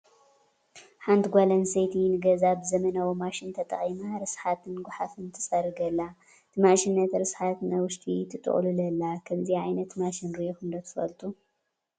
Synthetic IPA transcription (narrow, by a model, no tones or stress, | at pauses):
ħant̪ɡʷalɐnset̪ʰinɨɡɐzabɨzɐmɐnawomaʃint̪ʰɐt̪ʼɐ̰χʼimaɾɨsħat̪ʰɨnɡʷʊħafɨnt̪ʰɨsʼɐɾɨɡɐlːa | t̪ʰɨmaʃinːɐt̪ɾɨsħat̪nɐwʊʃt̪ʼʰit̪ʰɨt̪ʼɨ̰χʼlulɐlːakʰɐmziʕajnɐt̪maʃinɾixɨnd̪ɐt̪ʰɨ̥fɐlt̪ʼu